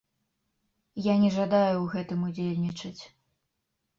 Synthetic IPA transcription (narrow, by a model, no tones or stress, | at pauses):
janʲɛʐad̪ajuwɣɛt̪ɨmud͡zʲelʲnʲit͡ʂɐt͡sʲ